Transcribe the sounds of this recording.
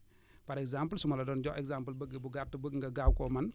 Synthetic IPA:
pɐɾɛkzampəlsumɐlɐdɔnd͡ʒɔʔɛkzampəlbəɡbuɡatːɐbəɡŋɡɐɡawkɔmɐn

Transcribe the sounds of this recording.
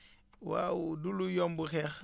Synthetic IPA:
wa̰wudulujombuxex

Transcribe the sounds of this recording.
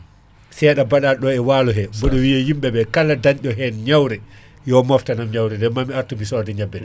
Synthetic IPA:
sɛːɗabaɗaɗɔɛwaːlɔɦɛbɔɗɔwijahimɓɛɓɛkalːadaɲɗɔɦɛnɲawɾɛ | jɔmɔftanamɲawɾɛndɛmamiaɾtumisɔdɛɲabːɛ

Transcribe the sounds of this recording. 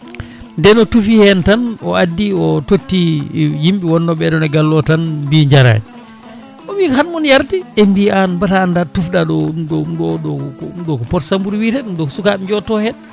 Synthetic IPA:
ndɛnɔtufihɛntanɔadːiɔtotːijimɓiwɔnːɔɓɛɗɔnɛɡalːɔtanmbiɲd͡ʒaɾa̰j | ɔbiːkhanmɔnjaɾdiembianbataːndatufɗaɗɔɗɔmɗɔɗɔkmɗɔkɔpɔtsambuɾwitɛɗumɗɔksukad͡ʒɔtɔhɛn

